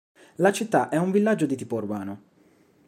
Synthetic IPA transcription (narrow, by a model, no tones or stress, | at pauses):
lat͡ʃit̪ːaʔɛuɱvilːad͡ʒːod̪it̪iːpourbaːno